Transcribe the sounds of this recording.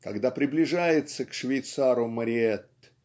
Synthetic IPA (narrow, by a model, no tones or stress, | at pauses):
kɐɡd̪apɾʲɪblʲɪʐajɪt̪səkʂvʲɪjt̪saɾʊməɾʲɪɛt̪ː